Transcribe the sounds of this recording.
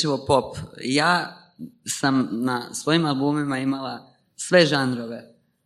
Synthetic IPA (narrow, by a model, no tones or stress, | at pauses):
iʋopopjaː | samnasʋo̞jimalˠbuːmimaimala | sʋe̞ʒanɾo̞ʋe̞